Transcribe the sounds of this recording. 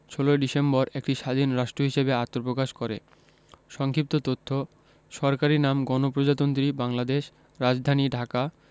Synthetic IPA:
ʃʰoloeɖisembɔɾekʈiʃad̪ʱinɾaʃʈɾoɦiʃebeat̪ːopɾokaʃkoɾḛ | ʃɔŋkʰip̚t̪ot̪ot̪ʰːo | ʃɔɾkaɾinamɡɔnopɾod͡ʑat̪ont̪ɾibaŋlad̪eʃ | ɾad͡ʑd̪ʱaniɖʱaka

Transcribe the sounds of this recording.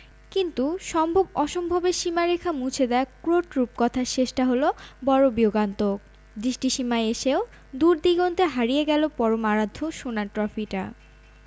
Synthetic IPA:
kint̪uʃɔmbʱobɔʃombʱobeʃimaɾekʰamut͡ɕʰed̪eakɾoʈɾup̚kɔt̪ʰaɾʃeʃʈaɦolobɔɾobioɡant̪ok̚ | d̪ɾiʃʈiʃimaeeʃeo | d̪uɾd̪iɡont̪eɦaɾijeɡɛlopɔɾomaɾad̪ʱːoʃonaɾʈɾɔfiʈa̰

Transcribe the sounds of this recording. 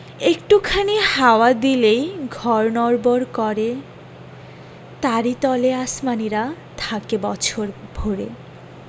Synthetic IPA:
ekʈukʰanihaoad̪ilejɡʱɔɾnɔɾboɾkɔɾe | t̪aɾit̪ɔleasmaniɾat̪ʰakebɔt͡ɕʰoɾbʱoɾe

